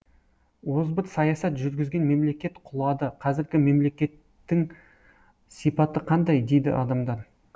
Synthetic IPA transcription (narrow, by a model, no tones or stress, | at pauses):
wo̞zbət̪sɑjɑsɑt̪ʒʏɾɡʲɪzɡʲe̞nme̞mle̞kʲe̞t̪qʰʊlˠɑd̪əqʰɑzɪɾɡʲɪme̞mle̞kʲe̞t̪ːɪŋ | sipɑt̪əqʰɑnd̪ɑjd̪e̞jd̪ɪ̰ʔɑ̰d̪ɑmd̪ɑɾ